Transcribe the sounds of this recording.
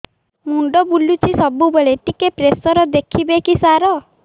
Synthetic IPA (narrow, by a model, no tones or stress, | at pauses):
muɳɖɔbulut͡ʃʰisɔbubeɭeʈikepɾesɔɾɔd̪ekʰibekisaɾɔ